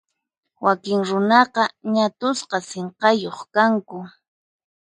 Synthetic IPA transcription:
wakɪŋɾʊnɑqɑɲat̪ʊsqɑseɴqɑjoχkaŋkʊ

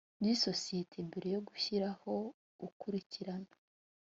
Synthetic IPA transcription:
jiso̞sije̞tʰe̞mbeɾe̞jo̞ɡuçiɾaho̞ | ukuɾiciɾanḁ

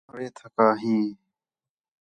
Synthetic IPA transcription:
ɾeːt̪ʰəkaːɦĩː

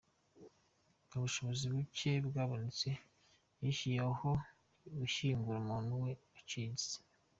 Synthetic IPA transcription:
ɡaβuʃo̞βoziβucebɡaːβonit͡se | jiʃijaho | ɡuʃiːŋɡuɾumuːn̥uwe̞ | at͡ʃizize̥

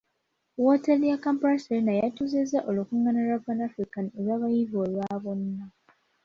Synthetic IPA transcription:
woteljakampɾaselinajatuzezaʔolukuŋːanalaβanafɾikanielwaβajiβolwaβonːa

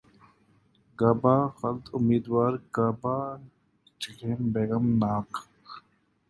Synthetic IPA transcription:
ɡaːbaːxɐlt̪ʰʊmiːd̪waːɾɡabaː | t͡ʃikeːnbeːɡɐmnaːk

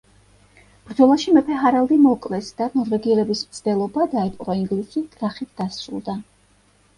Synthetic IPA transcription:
b̥ɾd̪zɔlˠaʃimɛpʰɛɦaɾalˠd̪imɔkʼlɛsd̪̥anɔɾvɛɡiɛlɛbismt̪sʰd̪ɛlˠɔbad̪aɛpʼɾɔiŋɡlisikʼɾaχit̪ʰd̪̥asɾṵlˠd̪a

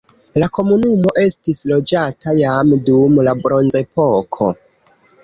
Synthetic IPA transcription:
lako̞munumo̞ʔe̞stislo̞d͡ʒatʰajamdumlabɾo̞nze̞po̞kʰo̞̰

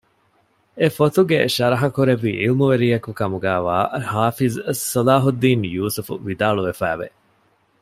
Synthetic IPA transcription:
efot̪uɡḛʃɐɾɐɦɐkuɾeʋḭːʔilmuʋeɾiːɐkukɐmuɡæːʋaːhaːfizsɐlaːɦud̪ːiːnjuːsufṵʋid̪aːɭuʋefæ̰ːʋḛ

